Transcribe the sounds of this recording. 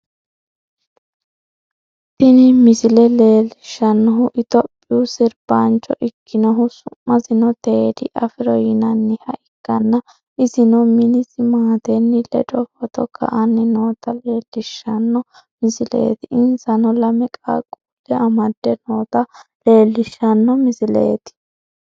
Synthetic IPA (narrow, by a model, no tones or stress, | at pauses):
t̪ɪnɪmɪsɪlɛle̞ːlɪʃːɐnːɔɦʊʔɪt̪ɔpʼːɪʊsɪɾb̥ant͡ʃːɔ̰ʔɪkʰːɪnɔɦʊsʊmːɐzɪnɔt̪ed̪ɪʔɐfɪɾɔjɪnɐnːɪhɐʔɪkːɐnːɐ | ɪzɪnɔmɪnɪsɪmaːt̪ɛnːɪlɛ̰dʼɔfɔt̪ɔkʰɐ̰ʔɐnːɪnoːt̪ɐleːlːɪʃːɐnːɔ | mɪzɪlḛːt̪ɪʔɪnsɐnɔlɐmɛkʼa̰ːkʼʊʔɛʔɐmɐd̪ːɛnoːt̪ɐle̞ːlːɪʃːɐnːɔmɪzɪlḛːt̪ɪ̥